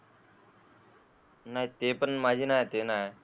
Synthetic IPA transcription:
nait̪eːpənmaːd͡ʒiːnaːet̪eːnaːe

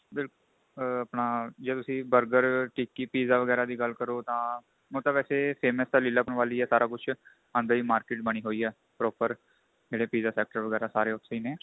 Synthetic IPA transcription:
bɪlkʊl | əpnaːd͡ʒeːt̪ʊsĩːbəɾɡəɾʈiːkːiːpiːzaːʋəɡɛːɾaːd̪iːɡəlkəɾoːt̪ãː | mõːt̪əʋɛːseːpʰeːmɛːsd̪aːlɪːlaːpəɳʋaːliːɛːsaːɾʔaːkʊt͡ʃʰ | ə̃nd̪əɾiːmaːɾkɪːʈbəɽ̃iːɦoːiːɛː | pɾɔːpəɾ | d͡ʒeːɽeːpiːzaːsɛːk̚ʈəɾʋəɡɛːɾaːsaːɾeːʊʈ̪ʰsiːneː

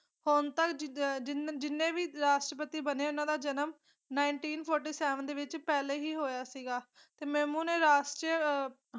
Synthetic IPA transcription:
hʊnt̪əkd͡ʒnd͡ʒɪnːẽːʋiːɾaːʃʈɾəpət̪iːbəneːʊnãːd̪aːd͡ʒənəm | naːɪɳʈiːnpʰɔːɾʈiːsɛːʋənd̪eːʋɪt͡ʃpɛːleːɦiːɦoːjaːsiːɡaː | t̪eːmɛ̃ːmũːnẽːɾaːʃʈjə

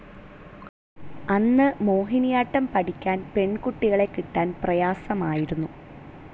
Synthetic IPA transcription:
ɐnːɨmo̞ːɦinijaːʈːɐmpɐʈikʲːaːnpe̞ɳkuʈːiɣɐɭe̞kːiʈːaːnprɐjaːsɐmaːjiɾunːu

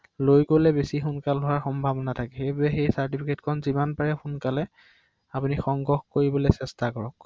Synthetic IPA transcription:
lojkolɛbesixʊnkalɦʊwaɹxɔmbʱabɔnatʰakɛxejbʊɹɛxejsaɹt̬ipʰiketkʰɔnzimanpaɹɛxunkalɛ | apunixɔŋɡɔxkoɹibɔlesɛstakɔɹɔk̚

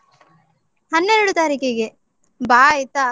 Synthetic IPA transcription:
hɐnːeɾuɽut̪aːɾikeɡe | baːit̪ːɐ

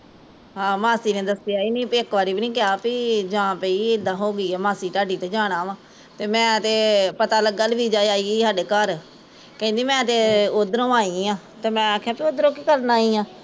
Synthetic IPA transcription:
ɦãːmaːsiːnẽːd̪əsːɪjaːiːnĩːpiɪkʋaːɾiːbinĩːkɪaːpid͡ʒãːpəiːɪd̪ãːɦoːɡiːɛːmaːsiːʈaːɖiːt̪eːd͡ʒãːɽ̃aːʋãː | t̪eːmɛ̃ːt̪eːpət̪aːləɡəlʋiːd͡ʒaːiaːiːiːsaːɖeːkəɾ | kɛ̃ːnd̪iːmɛ̃ːt̪eːod̪əɾõːaːiːãː | t̪eːmɛ̃ːaːkʰːjaːpiod̪ɾõːkiːkəɾnaːiːãː

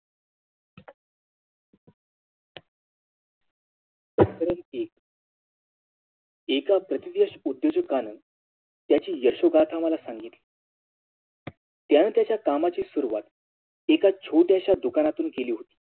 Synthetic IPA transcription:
bəkəɾenek̚ | ekapɾət̪id̪jəɕud̪joɕəkanən | t̪jat͡ɕiːjəɾʂoɡat̪ʰaməlasaŋɡit̪li | t̪janət̪jat͡ɕjakamat͡ɕiːsuɾuʋa̰t̪ | ekat͡ɕʰoʈjaɕad̪ukanat̪uːnkeliːɦot̪i̥ː

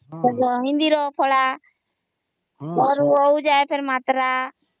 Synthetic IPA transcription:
ɔɔɦɪ̃nd̪iɾɔpʰɔɽa | ɔːɾuoud͡ʒaːepʰeɾmaːt̪ɾa

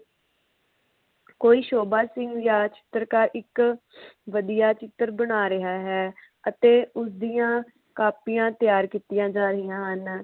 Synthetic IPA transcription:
koːiːʃoːbaːsɪ̃ŋɡjaːt͡ʃɪ̥t̪əɾkaːɾɪk | ʋəd̪ijaːt͡ʃɪt̪əɾbənaːɾəɦaːɦɛː | ət̪eːʊsd̪iːãː | kaːpijãːt̪jaːɾkiːt̪ɪjãːd͡ʒaːɾəɦijãːɦən

